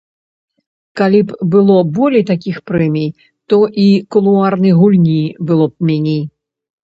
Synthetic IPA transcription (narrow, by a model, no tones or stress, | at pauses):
kalʲipbɨlˠɔbɔlʲejt̪akʲixpɾɛmʲij | t̪ɔʔikulˠuarnɨjɣulʲnʲibɨlˠɔp̚mʲɛnʲej